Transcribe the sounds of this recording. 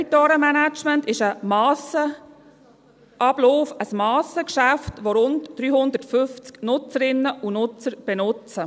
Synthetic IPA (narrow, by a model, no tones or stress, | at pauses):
itɔːɾəmænæt͡ʃməntɪʃəmɑsə | ʔɑb̥loːfəsmɑːsəkʃæftʋoɾʊntd̥ɾyːhʊnd̪ətfʏft͡sknʊt͡səɾɪnːəʔunʊt͡səɾb̥ɛnʊt͡sə